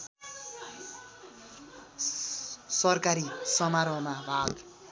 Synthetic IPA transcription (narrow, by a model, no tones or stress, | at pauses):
sɔɾkaɾisɔmaɾɔmabaːd̪